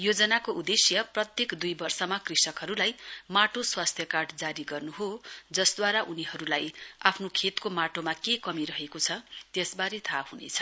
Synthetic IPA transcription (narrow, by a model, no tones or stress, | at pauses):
jod͡zʌnakoʔud̪esjʌprʌt̪jekd̪ujbʌrsʌmakrisʌkɦʌɾulajmaʈoswast̪ʰjʌkaʈd͡zaɾiɡʌrnuɦod͡zʌsd̪waɾaʔuniɦʌɾulajapʰnokʰet̪komaʈomakekʌmiɾʌɦekot͡sʰʌt̪jesbaɾit̪ʰahunḛt͡sʰʌ̥